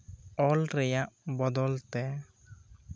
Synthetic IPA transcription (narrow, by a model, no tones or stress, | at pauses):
ɔlɾɛjaʔbɔd̪ɔlt̪ɛ